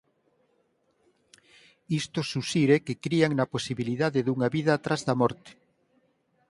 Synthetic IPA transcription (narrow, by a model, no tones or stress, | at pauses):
ist̪osusiɾekekɾiaŋnɐposiβiliðaðeðuŋaβiðaːt̪ɾazðɐmɔɾt̪e̥